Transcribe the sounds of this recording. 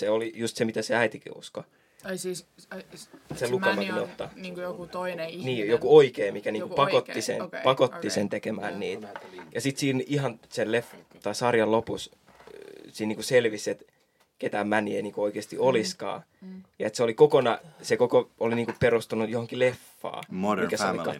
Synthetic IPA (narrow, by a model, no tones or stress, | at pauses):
seolijust̪semit̪æseæit̪ikḭṵsko | selukɑmːɑunot̪ːɑnonniːjokuoikeːmikæniːkupɑkot̪ːisḛnpɑkot̪ːisent̪ekemæ̰ːnnḭːt̪jɑsit̪siːnihɑnselleft̪ɑisɑrjɑlopus | siːniːkuselʋisːet̪ | ket̪æːmmænieiniːkuoikeːst̪ioliskɑ̰ː | jɑet̪seolikokonɑsekokooliniːŋkuperust̪unujohoŋkilefːɑ̰ːikæseolikɑ